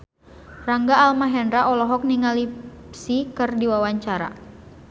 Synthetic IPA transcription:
raŋɡaːlmaɦɛndɾaʔɔlɔɦɔk̚niŋalipsikɨrdiwawaɲt͡ʃaɾa̰

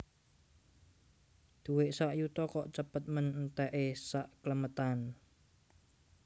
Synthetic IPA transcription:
d̪̥uweʔsaʔjut̪ɔkɔʔt͡ʃəpət̪̚mənnt̪ɛʔesaʔkləmət̪an

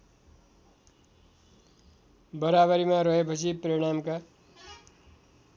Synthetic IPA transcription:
bʌɾaβʌɾimaɾʌɦepʌt͡sʰiprʌɽ̃amka

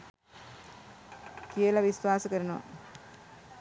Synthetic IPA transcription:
kijəlɐʋisʋaːsəkəɾɐnoʋa̰

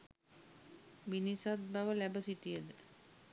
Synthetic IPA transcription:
ʋinisat̪̚baʋəlæbəsiʈijəd̪ə

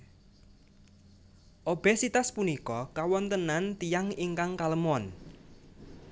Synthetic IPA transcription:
ʔob̥ɛsit̪aspunikɔkawɔnt̪ənant̪ijaŋiŋkaŋkaləmɔn

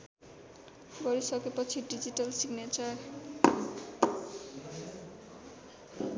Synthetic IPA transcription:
ɡʌɾisʌkepʌt͡sʰiɖid͡ʑiʈʌlsiɡnet͡ʃʌɾ

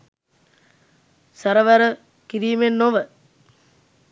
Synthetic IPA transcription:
sɐɾɐʋɐɾə | kiɾiːmenːoʋə

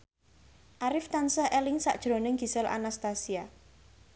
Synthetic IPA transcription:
ʔaɾɪft̪ansahelɪŋsa̰ʔd̥ʒ̥ɾo̤nɪŋɡ̥i̤səlʔa̰nast̪asia

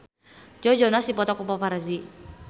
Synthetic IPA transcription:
d͡ʒɔd͡ʒɔnasdipɔt̪ɔkɔpapaɾazi

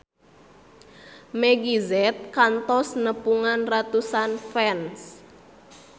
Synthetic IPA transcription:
meɡizɛt̪̚kant̪ɔsnəpuŋanrat̪usanfɛns

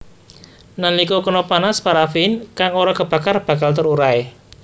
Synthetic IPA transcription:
nanlikokənɔpanaspaɾafinkaŋoɾɔkəb̥a̤karb̥a̤kalt̪əɾuɾae

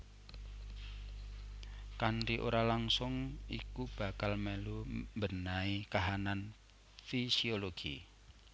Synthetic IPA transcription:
kanɾiʔo̰ɾalaŋsʊŋḭkub̥a̤kalmɛlumbənaikaɦanan | fisioloɡ̥ḭ

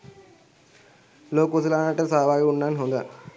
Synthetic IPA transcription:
loːkus̬ɐlaːnaʈːəsaːʋaːɡeuɳːaːnɦond̪a̰

